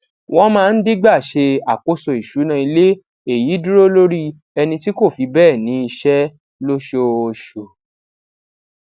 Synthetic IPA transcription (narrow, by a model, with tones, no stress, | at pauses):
w̃ɔ̃˦mãː˦˧n̩˦di˦ɡ͡ba˦˨ʃe˧a˨ko˦so˧˨i˨ʃu˨˦nã˦˧i˧le˦ | e˦˨ji˨˦du˦ɾo˦lo˦ɾi˦ | ɛ˧nĩ˧ti˦ko˦˨fi˨˧bɛː˦˨nĩ˨˦i˧ʃɛ˦ | lo˦ʃo˧˨ʃo˨